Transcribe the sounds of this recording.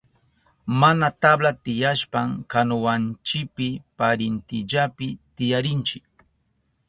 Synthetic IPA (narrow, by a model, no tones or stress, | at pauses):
manat̪ablat̪ɪjaʃpaŋkanʊwant͡ʃɪpɪpaɾɪnt̪ɪʎapɪt̪ɪjaɾɪnt͡ʃɪk